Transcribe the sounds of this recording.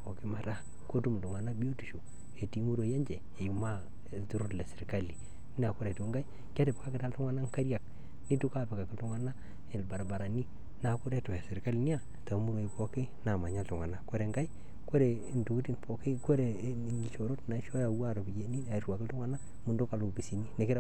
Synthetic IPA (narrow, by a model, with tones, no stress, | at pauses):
po˨ki˦ma˨ta˦ | ko˦tu˦m˨tu˨ŋa˨na˦bi˦o˦tu˨ʃo˨ | e˨ti˨˦mu˦ɾo˨je˦ɲd͡ʒe˨ | e˨u˨ma˦˨ | tu˨ɾo˦le˨sɪ˨ɾka˦li˨ | n˦a˨ko˦ɾe˨tu˨ŋɡa˦i˦ | ka˦te˨pe˨ka˦kɪ˦ta˦ltu˦ŋa˦na˦ŋ˦ka˦ɾja˨k̚ | ni˦tu˦ka˦pe˨ka˨ki˦ltu˦ŋa˨na˦ | e˨lba˨ɾa˨ba˨ɾa˨ni˦ | na˨kʊ˦ɾe˦to˨a˨sɪ˨ɾka˦li˨ni˦a˨ | ta˨˦mu˦ɾo˨i˨po˦ke˦na˨ma˨ɲa˦ltu˨ŋa˨na˦kwo˦ɾe˨ŋɡa˦i˦ | ko˦ɾe˨ntu˨ki˦ti˦npo˨ke˦ko˦ɾe˨ni˨ʃo˨ɾo˦tna˨˦ʃo˦ja˨wa˦˨ɾo˨bi˨d͡ʒe˨ni˦a˨i˦twa˨kɪ˦tu˦ŋa˦na˦ | mu˨ndo˦ka˨lo˨ɡi˨si˨ni˦ne˨kɪ˦ɾ